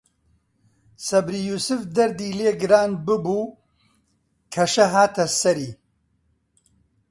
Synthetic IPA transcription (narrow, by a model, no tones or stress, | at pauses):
sɐbɾiːjuːsɨfd̪ɐɾd̪iːleːɡɨɾaːnbɨbuː | kʰɐʃɐɦaːt̪ʰɐsɐɾiː